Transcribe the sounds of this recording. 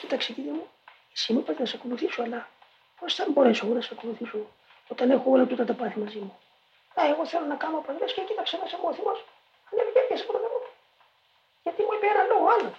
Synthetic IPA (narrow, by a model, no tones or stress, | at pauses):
cit̪ɐkseciðimu | isimipɾet̪enɐsɐko̞luθisoɐlɐ | ostembo̞ɾe̞soɣonɐsɐko̞luθiso | ot̪ɐnexoolɐt̪ut̪ɐt̪ɐpɐθimɐzimu | aeɣo̞θe̞lo̞nɐkɐmopɐðlescecit̪ɐksemɐseɣoːθimos | ɐneviceɾʝɐsepɾoðimot̪u̥ | ʝɐt̪imuepeɾɐloɣoalo